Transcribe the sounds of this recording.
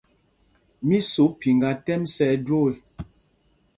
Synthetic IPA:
mi˦so˨˦pi˨ŋɡa˨tɛ˦msɛ˦do˦e˨

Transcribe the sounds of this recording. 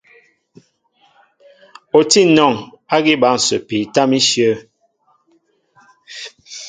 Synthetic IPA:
o˨ti˦˨nɔ˨ŋ | a˦ɡi˦ba˨˦˨n̩˨sə̰˨pi˨ta˦mi˦ʃjə˦

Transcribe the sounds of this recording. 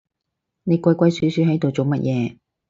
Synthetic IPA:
ne˨˧jkʷɐ˧jkʷɐ˧jsyː˨˥syː˨˧˥ɦɐ˨˥jt̪o˨wt͡so˨wmɐ˥t̚jɛː˧

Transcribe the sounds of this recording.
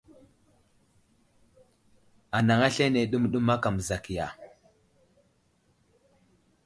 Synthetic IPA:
a˨na˨ŋa˦ɬe˦ne˨ɗu˦m˨ɗu˦ma˦ka˨m˨za˨ki˨ja˨

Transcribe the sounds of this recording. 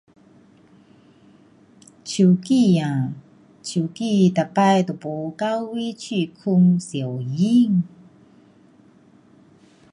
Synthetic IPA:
t͡ɕi˨kija˨ | t͡ɕʰi˨˩ki˥˧ta˨pajtu˨po˨kawwi˦t͡ɕi˥˨kʰu˧ŋsi˨ə˨wji˥ŋ

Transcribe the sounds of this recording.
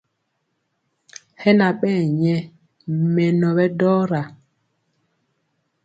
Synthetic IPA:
hɛ˦na˨ɓɛː˦˨ɲɛ˨ | mɛ˨nɔ˨ɓɛ˦dɔː˦ɾa˨

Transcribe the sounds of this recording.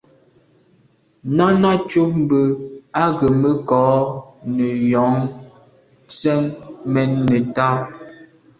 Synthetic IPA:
na˦na˦t͡ʃo˦p̚m̩˦bə˦a˦ɡə˨mə˦kɔ˨˦nə˨jɔ˨˦ŋ | t͡sɛ˦ŋmɛ˦nːə˨ta˦

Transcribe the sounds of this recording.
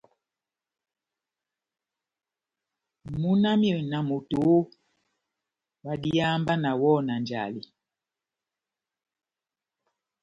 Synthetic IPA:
mu˦na˦mjo˨na˨mu˨to˨˦ | ba˨di˦a˦mba˦na˨wɔ˦˨na˨nd͡ʒa̰˨li˨

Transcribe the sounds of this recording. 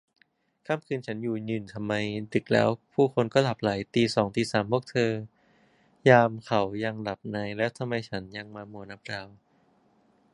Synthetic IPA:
kʰaː˥˩mkʰɯː˧nt͡ɕʰa˦˥njuː˨˩ɲɯː˨˩nt̪ʰa˧mːa˧jdɯ˨˩k̚lɛ̰ː˦˥wpʰuː˥˩kʰo˧nkɔː˥˩la˨˩p̚la˩˦jt̪iː˧sɔː˩˦ŋt̪iː˧saː˩˦mːoː˦˥k̚t̪ʰɤː˧ | jaː˧mkʰa˩˦wja˧ŋla˨˩p̚naː˧jlɛː˦˥wt̪ʰa˧mːa˧jt͡ɕʰa˦˥nja˧ŋmaː˧mu˨˩˦əna˦˥p̚ɾaː˧w

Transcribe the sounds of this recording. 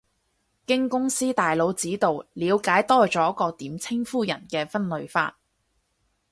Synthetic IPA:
kɪ˥ŋkʊ˥ŋsiː˥t̪aː˨jlo˨˧wt͡siː˨˥t̪o˨wliː˨˧wkaː˨˥jt̪ɔː˥t͡sɔː˨˥kɔː˧t̪iː˨˥mt͡sʰɪ˥ŋfuː˥jɐ˨˩nkɛː˧fɐ˥nlɵ˨˧ɥfa̰ː˧t̚

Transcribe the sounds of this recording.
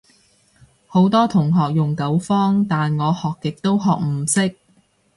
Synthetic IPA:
ho˨˥wt̪ɔː˥t̪ʰʊ˨˩ŋɦɔː˨k̚jʊ˨ŋkɐ˨˥wfɔː˥ŋt̪aː˨nŋɔː˨˧hɔː˨kːɪ˨k̚t̪o˥wɦɔː˨k̚m̩˨˩sɪ˥k̚

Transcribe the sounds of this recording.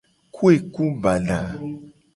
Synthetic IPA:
kʰu˦e˨ku˦ba˨la˨

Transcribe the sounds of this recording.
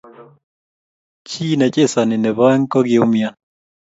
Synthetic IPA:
t͡ʃiː˦nɛ˨t͡ʃʼe˦sa˨nɪ˨nɛ˨βa˦ɛ˦ŋkɔ˦ɡɪ˨ʊ˦mja˦

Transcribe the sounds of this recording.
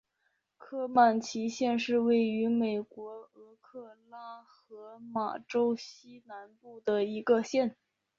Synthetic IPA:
kʰɤ˥ma˥˩nt͡ɕʰi˧˥ɕjɛ˥˧nʂɻ̩˥˧we˥˩ɪy˧˥me˨˩ɪkwɔ˧˥ɤ˧˥kʰɤ˥˩la˥xɤ˧˥ma̰˨˩ʈ͡ʂo˥ʊɕi˥na˧˥npu˥˩d̪ə˩i˧˥ɡə˧ɕjɛ˥˩n

